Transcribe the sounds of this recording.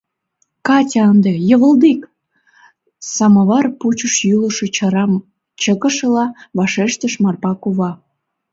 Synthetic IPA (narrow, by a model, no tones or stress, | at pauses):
kɑtʲɑɑnd̪ejəβəld̪ik | sɑmɑβɑrput͡ɕəʃjyləʃĕɾɑm | t͡ɕəkə̆ʃəlɑβɑʃeʃt̪əʃmɑrpɑkuβɑ